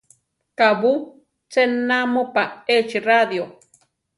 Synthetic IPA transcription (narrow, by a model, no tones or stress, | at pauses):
kaβu | t͡senamopaet͡ʃirad̪jo